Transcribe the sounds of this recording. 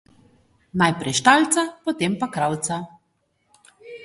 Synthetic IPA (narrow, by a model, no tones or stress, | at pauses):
najpɾɛjʃt̪alt̪sapɔt̪eːmpakɾawt̪sa